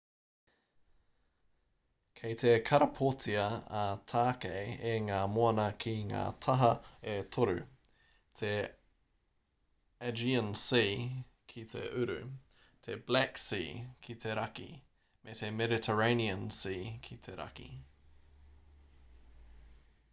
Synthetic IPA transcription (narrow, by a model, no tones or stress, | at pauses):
kʰejt̪ʰekʰɐɾɐpʰotʰiɐɐt̪ʰaːkejeŋaːmoɐnɐkʰiŋa̰ːt̪ʰɐɦɐet̪ʰoɾʉ̰ | t̪ʰe | ɛd͡ʒiənsiː | kʰit̪ʰḛʔʉɾʉ̰ | t̪ʰeblæksḭːkʰit̪ʰeɾɐkḭ | met̪ʰemɛdit̪ʰəɹeɪniənsiːkʰit̪ʰeɾɐ̰kḭ